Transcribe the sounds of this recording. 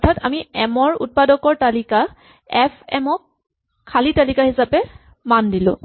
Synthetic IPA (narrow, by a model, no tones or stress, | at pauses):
ɔtʰatamiɛmɔɹṵt̚padɔkɔɹtalika | ɛpʰɛ̰mɔk̚ʰː | alitalikahisapɛ | mandilʊ̰̃